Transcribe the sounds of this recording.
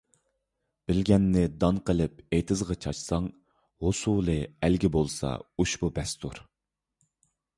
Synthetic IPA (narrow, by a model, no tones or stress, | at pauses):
b̥ɪlɡʲɛnːɪd̪ɑnqəlˠɪp̚ejt̪ʰɨzʁɑt͡ʃʰɑʃsɑŋ | hosulˠɨælɡʲɪbolˠsɑ̰uʃbubɛst̪ʰuɾ